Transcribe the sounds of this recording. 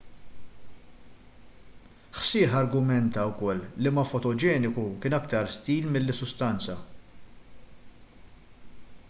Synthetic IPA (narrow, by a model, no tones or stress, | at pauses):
ħsɪːħɐɾɡʊmɛnt̪ɐwkɔlːɪmɐfɔt̪ɔd͡ʒɛːnɪkukɪːnɐkt̪ɐɾst̪iːlmɪlːɪsːʊst̪ɐnt͡sɐ